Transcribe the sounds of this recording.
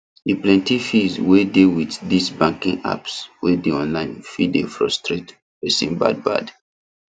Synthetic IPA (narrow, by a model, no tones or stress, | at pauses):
iplɛ̃ntifizwedewitdisbãŋkĩŋa̰pswedeɔ̃nlãɪ̃nfidefɹɔstɹet | ɹesḭ̃nba̰d̚ba̰d